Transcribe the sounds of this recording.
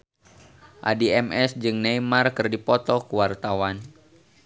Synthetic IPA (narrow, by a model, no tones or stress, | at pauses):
ʔa̰diɛmɛsd͡ʒɨŋnajmarkɨrdipɔt̪ɔkəwart̪awan